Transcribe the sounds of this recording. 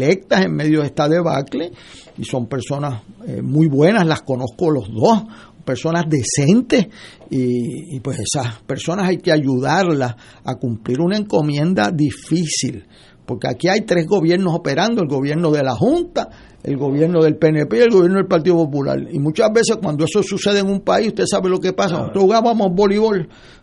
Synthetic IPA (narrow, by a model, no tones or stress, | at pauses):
lek̚t̪ase̞ŋmeðjoðeht̪aðeβa̰kle | iso̞mpe̞ɾso̞nasḛmujβwe̞naslasko̞no̞hko̞lo̞ɦðo̞s | pe̞ɾso̞nazðe̞se̞nt̪e̞siːpwe̞se̞saspe̞ɾso̞nasajkeaʝuðaɾlas | a̰kumpliɾunae̞ŋko̞mjẽ̞nd̪a̰ðifisḭl | po̞ɾkea̰kiajt̪ɾe̞zɣo̞βje̞ɾnosope̞ɾãnd̪o̞e̞lɡo̞βje̞ɾno̞ðe̞laɦunt̪a | e̞̰lɡo̞βje̞ɾno̞ðe̞lpenepeielɣo̞βjeɾnoelpaɾt̪iðopopula̰ɾimut͡ʃaɦβe̞se̞hkwand̪oe̞so̞suse̞ðeːŋumpaisuht̪esaβelo̞ke̞pas̬a̰nt̪ɾohuɣaβamohbo̞liβo̞l